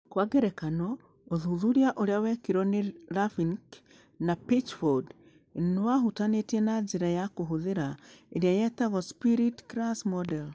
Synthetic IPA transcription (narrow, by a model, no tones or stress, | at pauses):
kwaɡɛɾɛkanɔ | oðuðuɾiaʔoɾeawɛkiɾɔneɾafiŋk | napit͡ʃfɔd | nwaɦutanetiɛnad͡ʒeɾajakoɦoðeɾaeɾjajɛtaɣɔspiɾitkɾasmɔdɛl